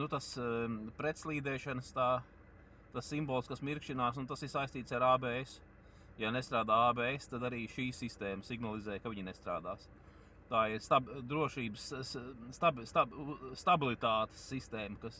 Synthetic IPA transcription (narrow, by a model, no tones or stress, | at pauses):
nut̪aspɾet̪slˠiːd̪ɛːʃanəst̪aː | t̪asːimbolˠskasmiɾkʃinaːs̬unt̪asiɾsajst̪iːt̪saɾaːbɛːes | janest̪ɾaːd̪aːaːbɛːest̪ad̪aɾiːʃiːsist̪ɛːməsiɡnalˠizɛːjkaʋiɲinest̪ɾa̰ːd̪aːs | t̪aːiɾst̪abd̪ɾuɔʃiːbəst̪abst̪ast̪abilˠit̪aːt̪e̥sːist̪ɛːmɐkas